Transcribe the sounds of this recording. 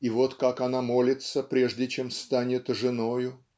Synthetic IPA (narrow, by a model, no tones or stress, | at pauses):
ivo̞t̪kakanamo̞lʲɪt̪səpɾʲeʐdʲɪt͡ɕe̞mst̪anʲɪt̪ʐɨnojʊ